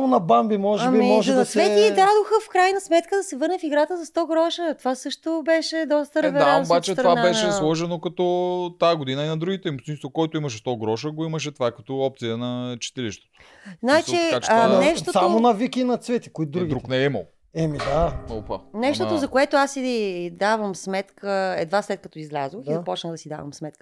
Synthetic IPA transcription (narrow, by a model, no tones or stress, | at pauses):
amonɐbambimɔʒɛambimɔʒɛd̪ɐsvɛiːt̪ɾad̪ʊxəfkɾajnɐsmɛt̪kəd̪ɐsɛvɤɾnɛfiɡɾat̪əzɐst̪ɔɡɾɔʃət̪ovasɤʃt̪obɛʃɛd̪ɔst̪əɾɛvɛaɾaobat͡ʃɛt̪ɾɐvanabɛʃɛslˠɔʒɛnokɐt̪ɔt̪aɡod̪inəinɐd̪ɾuɡit̪ɛimost̪inst̪vokɔɛt̪ʊimɐʃ̬ɛst̪ɔɡɾɔʃəɡoimɐʃ̬ɛt̪ovakɐ̥t̪ɔɔp̚t̪sijənɐt͡ʃi̥t̪ɛliʃt̪ɛ̥t̪o̥ | znaɛt͡ʃɛkat͡ʃanɛʃt̪osamonɐvikinɐt̪svɛt̪i̥koid̪uɡʲid̪ɾuknɛimə̰lˠ | ɛmid̪aopɐ̰nɛʃt̪oozɐkoɛt̪oasːid̪avəmsmɛt̪kəɛ̰d̪vaslɛt̪̚kɐt̪ɔizlʲa̰zoizɐpɔt͡ʃnəd̪ɐsid̪a̰vɐ̰msmɛt̪kə